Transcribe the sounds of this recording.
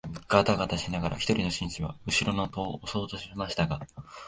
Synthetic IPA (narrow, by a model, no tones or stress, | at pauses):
bɯ̟kːat̪aɡat̪aɕinaɡaɾʔa̰çʲi̥t̪o̞ɾʲino̞ɕĩɕiβa̰ɯ̟ɕiɾo̞no̞t̪o̞ːoso̞ːzoɕimaɕi̥t̪aɡa